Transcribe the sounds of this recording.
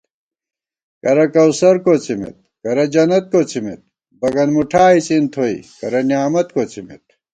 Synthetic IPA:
kɐɾɐkɐwsɐɾkot͡sʰimḭt̪̚kɐɾɐd͡ʑɐnɐt̪̚kot͡ɕʰimḭt̪̚ | bɐɡɐnmuʈʰaːit͡sint̪ʰoḭkɐɾɐnijaːmɐt̪kot͡ɕʰimḭt̪̚

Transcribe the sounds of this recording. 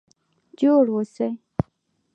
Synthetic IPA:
d͡ʒoɽwosej

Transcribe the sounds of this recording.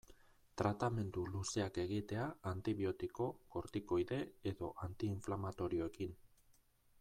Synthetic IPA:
t̪ɾat̪ame̞nd̪uluse̞ake̞ɣit̪e̞aant̪iβio̞t̪iko̞ko̞ɾt̪iko̞jðe̞eðo̞ʔant̪iːɱflamat̪o̞ɾio̞ekin

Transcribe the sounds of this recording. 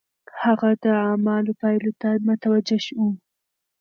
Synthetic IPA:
haɣad̪əɑmɑlopɑjlot̪amʊt̪awad͡ʒaʃwu

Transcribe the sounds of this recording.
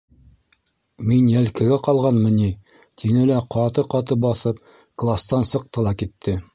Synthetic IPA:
minjælkɘ̆ɡæqɑlˠʁɑnmɤ̆ni | t̪ʰinɘlæqɑt̪ɤqɑt̪ɤp̚bɑθɤp̚ | klˠast̪ɑnsɤ̆q̚t̪ɤlˠɑkit̪ʰːɘ

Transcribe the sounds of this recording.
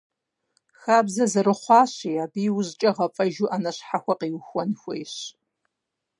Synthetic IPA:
xaːbzɐzɨɾɨχʷɑːɕiːaːbiːwʊzt͡ʃʼɐʁɐpʼɐʒuːʔanɐɕħaxʷɐqiːwxʷɔnxʷejɕ

